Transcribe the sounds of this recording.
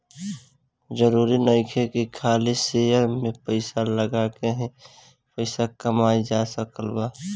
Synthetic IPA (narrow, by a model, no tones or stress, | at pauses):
d͡ʒəɾuːɾinəɪkʰekikʰaːlisejəɾmẽpəɪsaləɡaːkeɦɛ̃ | pəɪsakəmaːid͡ʒasəkəlbaː